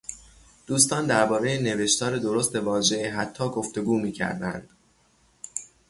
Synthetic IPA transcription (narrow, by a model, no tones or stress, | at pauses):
d̪̥uːst̪ɒːnd̪æɾbɒːɾe̞jene̞ve̞ʃt̪ɒːɾe̞d̪o̞ɾo̞st̪e̞vɒːʒe̞ɦæt̪ʰːɒːɡo̞ft̪e̞ɡuːmiːcʰæ̰ɾd̪æ̰nd̪̥